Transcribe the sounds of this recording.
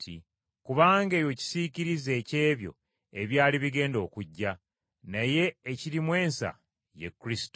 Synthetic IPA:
tḭ | kuβaːŋɡe̞ːjo̞ci̥siciɾize̞ːce̞ːβjo̞̰ | e̞βjaːliβiɡe̞ːndo̞ːkuɟːa | naje̞ːciɾimwe̞ːnsa̰ | jḛkːɾisi̥t

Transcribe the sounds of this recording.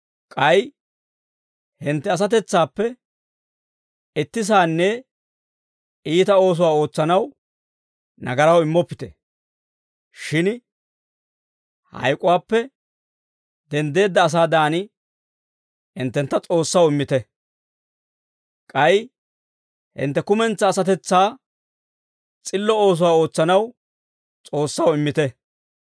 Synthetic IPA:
kʼɐj | hɪnt̪ːɛɐs̬ɐt̪ɛt͡sːaːpːɛ | ɪt̪ːɪs̬aːnːɛ | iːt̪ɐo̞ːs̬ʊwaːo̞ːt͡sːɐnɐw | nɐɡɐɾɐwɪmːɔpːɪ̥t̪ɛ̰ | ʃɪn | hɐ̰jkʼʊwaːpːɛ | d̪ɛnd̪e̞ːd̪ːɐːs̬aːd̪aːnɪ | ɪnt̪ːɛnt̪ːɐt͡sʼo̞ːsːɐwɪmːɪt̪ɛ | kʼɐj | hɪ̰nt̪ːɛkʊmɛnt͡sːɐːsɐt̪ɛt͡sːaː | t͡sʼɪlːɔo̞ːs̬ʊwaːo̞ːt͡sːɐnɐw | t͡sʼo̞ːsːɐwɪmːɪt̪ɛ

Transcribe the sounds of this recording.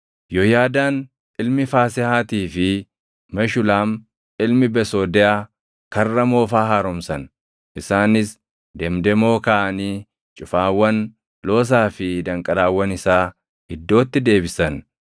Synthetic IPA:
jɔjaːd̪aːn | ʔɪlmɪfaːsɪhaːt̪iːfɪ | mɛʃʊlaːm | ʔɪlmɪbɛso̞ːd̪ɛʔaː | kɐrːɐmo̞ːfaːɦaːɾʊmsɐn | ʔɪsaːnɪs | d̪ɛmd̪ɛmo̞ːkaʔɐniː | t͡ʃʼʊfaːwːɐn | lo̞ːs̬aːfɪd̪ɐŋkʼɐd̪aːwːɐnɪsaː | hɪd̪ːo̞ːt̪ːɪd̪e̞ːbɪsɐn

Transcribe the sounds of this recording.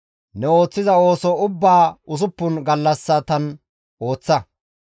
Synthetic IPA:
nɛo̞ːt͡sːɪzɐo̞ːsɔʊbːaːʊsʊpːʊnɡɐlːɐsːɐt̪ɐn | o̞ːt͡sːɐ

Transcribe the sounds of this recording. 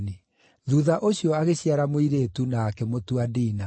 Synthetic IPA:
ni | ðuːðaʔoɕiɔaɣeɕiaɾamoiɾeːtunaːkɛmotuadiːna

